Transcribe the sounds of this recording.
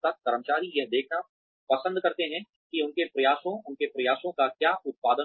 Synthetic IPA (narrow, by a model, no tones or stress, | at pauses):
t̪ɐkkɐɾəmt͡ʃaːɾijɐɦd̪eːkʰna | pɐsə̃nd̪kɐɾt̪eɦɛ̃ | kiʊnkepɾɐjaːʃõʊnkepɾɐjaːʃõkakjaːʔʊt̪̚paːd̪ə